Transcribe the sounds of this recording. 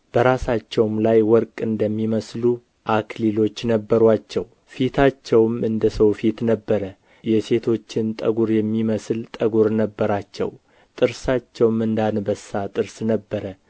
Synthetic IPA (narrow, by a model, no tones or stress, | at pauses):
b̥əɾasat͡ʃːɛwmlajwɔɾkʼɨnd̪əmːiməslu | ʔakʰlilo̞t͡ʃːnəbːəɾwat͡ʃːɛw | fit̪ʰat͡ʃːɛwmɨnd̪əsəwfit̪nəbːəɾə | jɛse̞t̪ʰo̞t͡ʃːɪnt̪ʼə̰ɡuɾjɛmːiməslt̪ʼəɡuɾnəbːəɾat͡ʃːɛ̰w | t̪ʼɨɾsat͡ʃːɛwmɨnd̪anbəsːat̪ʼɨɾsnəbːəɾə